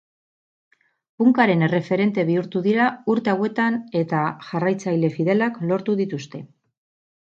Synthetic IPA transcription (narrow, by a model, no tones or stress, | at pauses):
puŋkaɾe̞ne̞re̞fe̞ɾe̞nt̪e̞β̞iuɾt̪uðiɾauɾt̪e̞awe̞t̪ane̞t̪aʝarajt͡sajle̞fiðe̞laklo̞ɾt̪uðit̪ust̪e̞